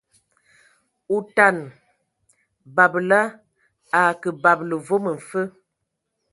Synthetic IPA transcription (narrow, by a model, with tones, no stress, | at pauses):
u˨ta˨n | ba˨bla˦ | a˨kə˨ba˨blə˨vo˦mə˨ɱ̩˨fə˦